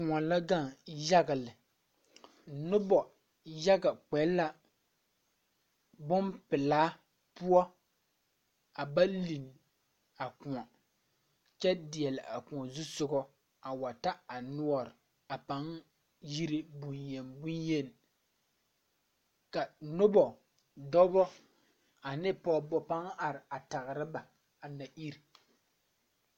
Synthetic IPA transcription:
kʊ̃˨ɔ˨la˦ɡa˦˨ŋja˦ɡa˨lɪ˨ | nʊ˦bɔ˨ | ja˦ɡa˨k͡pɛ˨˦la˦ | bʊ˦npɪ˨laː˦ | pʊ˦ɔ˦ | a˨ba˦li˨n | a˨kʊ˨ŋɔ˨ | t͡ʃɛ˦dɪ˨ɛ˨lɪ˨ʔa˨kʊ̃˨ɔ˨zʊ˦sʊ˦ɡɔ˦ | a˨wa˨ta˦a˨nu˦ɔ˨ɾɪ˨ | a˨pa˦ŋ | ji˦ɾɪ˦bu˨nje˨nbu˦nje˦n˨ | ka˨nʊ˦bɔ˨ | dɔ˦bɔ˦ | a˨nɪ˦pɔ˨bɔ˨pa˦ŋa˨ɾɪ˨a˨ta˨ɣɾɪ˦ba˨ | a˨na˨ʔi˦ɾi˨

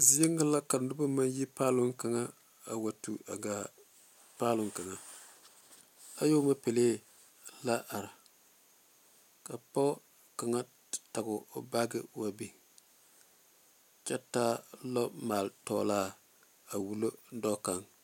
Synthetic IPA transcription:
zi˦e˦ŋːa˦la˦ka˨ndʊ˦ba˦ma˦nji˦paː˦lʊ˦ŋka˨ŋa˦ | a˨wa˨tu˨ʔa˨ɡa˨ | paː˦lʊ˨ŋka˨ŋa˨ | a˦jo˦ma˦pe˨leː˦ | la˦ʔa˨ɾa˨ | ka˨pɔ˦ | ka˨ŋa˦ | ta˨ɡʊ˨˦ba˦ɡɪ̰˦wa˨bi˦ | t͡ʃɛ˦taː˦lɔ˦maː˨ltɔ̰ː˦˨laː˦ | a˨wu˨lo˦dɔ˦ka˨ŋ

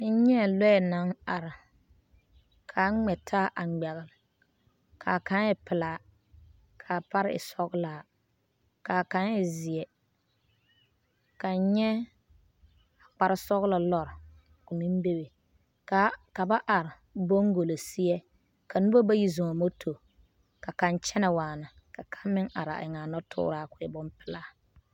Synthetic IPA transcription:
ɪ˦ɲɛ˦˨lɛ˦ɛ˨na˨˦ŋa˨ɾɪ˨ | kʰa˨˦ŋ͡mɛ˨tʰaː˦ʔa˨ɡ͡bɛ˨ɣɪ˨l | kʰa˨ka˦n˦jɛ˦pɪ˨la˨ | kʰa˨pa˦ɾɪ̰˨sɔ˦ɣʊ˦laː˨ | ka˨ka˦njɛ˨zɪ˨ɛ˨ | ka˨˦ɲɛ˦ | a˨k͡pa˨ɾɪ˦sɔ˦ɣla˨lɔ˦ɾ | kʊ˨ni˦m˦be˦be˨ | ka˦ka˨ba˦ʔa˨ɾɪ˨ | bo˦ŋɡo˨lo˨si˦ɛ˦ | ka˨nʊ˦bo˦ba˦ji˦zɔ˨ɔ˨mo˦tʰo˨ | ka˨ka˨nt͡ʃɛ˦nɛ˨waː˨na˨ | ka˨kʰa˦nmɪ˦ŋʔa̰˨ɾa̰˨ʔɪ˨ŋa˨nɔ˦tʰʊ̰ː˦ɾaː˦kʊ˨ɛ˨bʊ˦mpɪ̥˦la˦

